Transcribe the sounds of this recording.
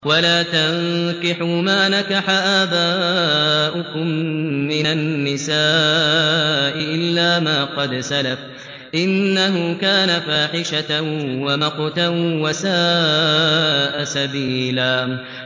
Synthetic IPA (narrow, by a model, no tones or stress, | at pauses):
walaːt̪ankɪħumaːnakaħaʔaːbaː | ʔʊkʊmːɪnanːɪsaː | ʔɪʔɪlːaːmaːqɑd̪salaf | ʔɪnːaɦʊkaːnafaːħɪʃawamɑqt̪awasaː | ʔasabiːlaː